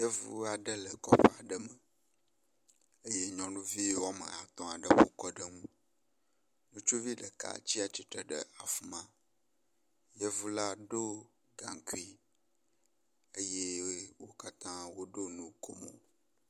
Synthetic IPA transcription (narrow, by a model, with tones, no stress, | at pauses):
je˦vṵ˦a˨ɖə˦lə˨kɔ˦ɸɛ˦˨a˨ɖə˦mə˨ | ə˦je˦ɲɔ̃˨nũ˦vi˦wɔ˦mə̰̃˨a˨t̪ɔ̃˨a˨ɖə˨wo̰˨kɔ˦ɖə˦ŋũ˦ | nũ˦t͡ʃu˦vi˦ɖə˨ka̰˨t͡ɕi˦a˨t͡ɕi˦t̪ɾə˨ɖə̰˨a˨fu˨mã˦˨ | je˦vu˦la˦ɖo˦ | ɡã̰˨ŋ˨ki˦ | ə˦je˦wo˦ka˦t̪ã˦wo˦ɖo˦nũ˦kʰo˦mo̰˨